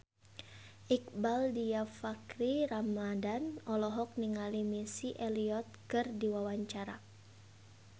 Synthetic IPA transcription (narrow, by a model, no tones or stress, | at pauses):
ʔik̚baldiafakɾiɾamadanɔlɔɦɔk̚niŋalimisiʔɛliɔt̪̚kɨrdiwawaɲt͡ʃaɾa̰